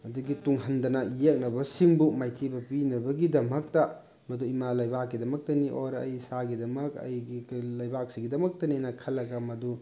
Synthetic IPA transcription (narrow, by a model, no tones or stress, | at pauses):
ɐduɡituŋɦɐndɐnɐjek̚nɐbɐsiŋbumajtʰibɐpinɐbɐɡidɐmɐk̚tɐ | mɐduimalɐjbak̚ːidɐmɐk̚tɐniʔoɾɐjsaɡidɐmɐkɐ̰jɡilɐjbak̚siɡidɐmɐk̚tɐninɐkʰɐlːɐɡamɐdu